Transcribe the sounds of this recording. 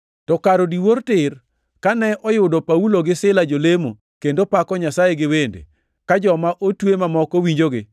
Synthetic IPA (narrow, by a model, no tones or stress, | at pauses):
tɔkaɾodiwortɪr | kanɛʔɔjʊdɔpauloɡɪsɪlad͡ʒolemo | kendopakɔɲasajeɡɪwendḛ | kad͡ʒɔmaʔotwemamɔkowiɲd͡ʒoɡɪ